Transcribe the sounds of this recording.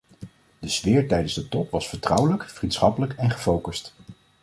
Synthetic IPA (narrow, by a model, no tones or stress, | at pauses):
d̥əz̥ʋɪːɹtɛjdənzdətɔpʋɑsfəɹtrʌwələkfrintsχɑpələkɛnχəfowkəst